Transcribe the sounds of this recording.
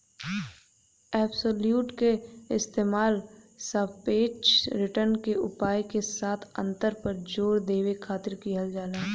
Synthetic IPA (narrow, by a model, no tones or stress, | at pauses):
ɛːbsoːljuːʈkeɪst̪eːmaːlsəbpeːt͡ʃɾɪʈəɾnkeʊpaːjkesaːt̪ʰə̰̃nt̪əɾpəɾd͡ʒoːɾd̪eːwekʰaːt̪ɪɾkiɦəld͡ʒaːlaː